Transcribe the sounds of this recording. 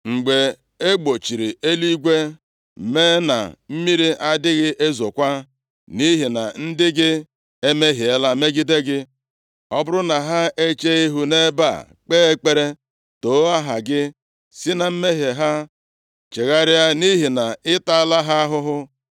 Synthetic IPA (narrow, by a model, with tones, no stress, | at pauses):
ŋ͡m̩˨ɡ͡be˨ | e˦ɡ͡bo˨t͡ʃi˨ɾi˨e˦li˦ɡʷe˦˨ | me˦na̰˨m̩˦mi˦ɾi˦ʔa˦dɪ˦ɣɪ˦ʔe˦zo˨kʷa˦ | ni˦ɦi˨na̰˨n̩˦dɪ˦ɡɪ˦ | e˦me˦ɦi˨e˦la˦me˦ɡi˦de˦ɡɪ˦ | ɔ˦bʊ˦ɾʊ˦na˨ɦa˦ʔe˦t͡ʃe˦i˦ɦu˦ne˦ba̰˦˨ | k͡peː˦e˦k͡pe˦ɾe˦ | to˨˦a˦ɦa˨ɡɪ˦ | sɪ˦na˨m̩˦me˦ɦe˨ɦa˦ | t͡ʃe˨ɣa˦ɾɪ˦a˦ni˦ɦi˨na˨ɪ˦ta˦la˦ɦa˦ɦʊ˦ɦʊ˦